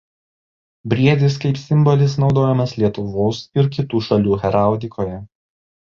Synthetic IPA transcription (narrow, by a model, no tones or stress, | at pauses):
bʲɾʲiɛd̪ʲɪskɐɪpsʲɪmbɔlʲɪsnɒʊd̪oːjɛmɐslʲiɛt̪ʊʋoːsɪɾkʲɪt̪uːʃɐlʲuːɣʲɛɾɑˑʊd̪ʲɪkʰoːjɛ